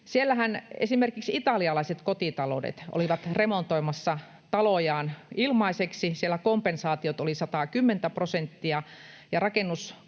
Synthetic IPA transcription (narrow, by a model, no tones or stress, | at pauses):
sielːæhænḛsimerkiksit̪ɑliɑlɑiset̪kot̪it̪ɑlo̰dḛt̪ʔo̰liʋɑt̪remont̪oimɑsːɑ | t̪ɑlojɑːnilmɑiseksisielːækompensɑːt̪iot̪olisɑt̪ɑˑkymːent̪æprosent̪ːiɑjɑrɑkenːus